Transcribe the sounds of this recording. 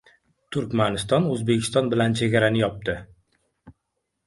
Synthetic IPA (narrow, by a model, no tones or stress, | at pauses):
t̪ʰʊɾkʲmanɪst̪ɒnɵzbe̞kʲʰɪ̥st̪ɒnbɪlant͡ʃʰe̞ɡʲaɾanɪjɒp̚t̪ɪ